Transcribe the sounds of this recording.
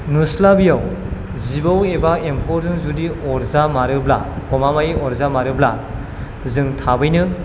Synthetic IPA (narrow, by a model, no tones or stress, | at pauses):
nuslabijaw | zibawebaempʰɔɾzɯŋzudiɔɾzamaɾɯbla̰kɔmamajiɔɾzamaɾɯbla | zɯŋtʰabɯjnɯ